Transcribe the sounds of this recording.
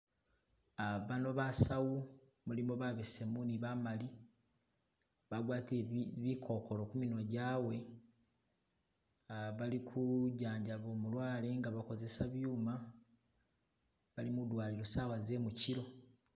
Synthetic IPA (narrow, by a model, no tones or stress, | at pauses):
aβano̞βasawu | mulimoβaβesemuniβamali | βaɡwaːtβikʰo̞ko̞lo̞kumino̞ɟaːwe̞ | βalikʰuɟaːɲɟaβo̞ːmulwaːle̞ŋɡaβako̞ze̞saβjuːma | βalimudwaːliɾosaːwaze̞muciɾo̞